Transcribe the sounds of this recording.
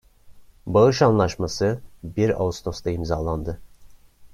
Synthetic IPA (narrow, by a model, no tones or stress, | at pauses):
baɯʃanlˠaʃmasɯbiɾa̰ust̪ʰo̞st̪ʰaimzaːlˠand̪ɯ